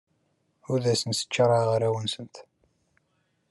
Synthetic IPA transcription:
uðæsənsə̥t͡ʃːɾˤɑʁəɾæwənsənt̪

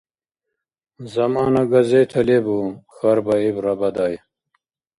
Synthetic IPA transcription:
zɐmaːnaɡɐzet̪ʰɐlebuxɐɾbaibɾɐbɐd̪aːj

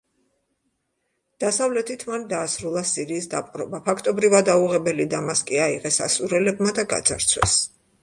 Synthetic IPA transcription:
d̪̥asavlɛt̪ʰit̪ʰmand̪aːsɾulˠasiɾiːsd̪a̰pʼqʼɾɔbapʰakʰt̪ʼɔbɾivad̪auʁɛbɛlid̪amaskʼiaiʁɛsa̰suɾɛlɛb̚mad̪aɡa̰d̪za̰ɾt̪sʰwɛ̰s

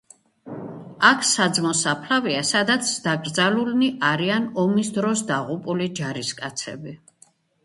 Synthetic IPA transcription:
akʰsad̪zmɔsapʰlaviasad̪at̪sʰd̪̥aɡɾd̪zalulniʔaɾianɔmisd̪ɾɔsd̪aʁupʼulid͡ʒaɾiskʼat̪sʰɛ̰bi

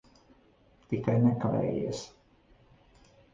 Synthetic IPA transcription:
t̪ikajnɛkavɛ̰ːjḭɛs

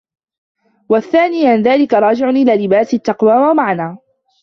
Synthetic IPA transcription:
waθːaːnɪjanðaːlɪkaɾˤɑːd͡ʒɪʕʊnʔɪlaːlɪbaːsɪt̪ːɑqwaːwamaʕanaː

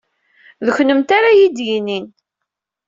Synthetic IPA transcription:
ðəçnəmt̪aɾajid̪jinin

